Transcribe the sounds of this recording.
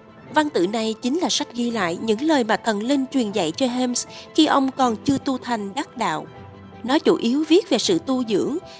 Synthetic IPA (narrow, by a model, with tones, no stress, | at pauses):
va˧nt̪ɨ̰˧˨na˨˩jt͡ɕï˨˦ŋ̟laː˨˩sa˦˥k̟̚ɣi˧la̰ː˧˨jɲɨ̰˧˥ŋləː˨˩jmaː˨˩t̪ʰə˨˩nli˧nt͡ɕwi˨˩ənza̰˧˨jt͡ɕɔ˧ɦɛ˧msxi˧ʔə˧wŋ͡mkɔ˨˩nt͡ɕɨ˧ət̪u˧t̪ʰa˨˩jŋ̟ɗa˦˥t̚ɗa̰ː˧˨w | nɔ˨˦t͡ɕu˧˩ʔi˨˦əwvi˦˥ət̚ve˨˩sɨ̰˧˨t̪u˧zɨ̰˧˥əŋ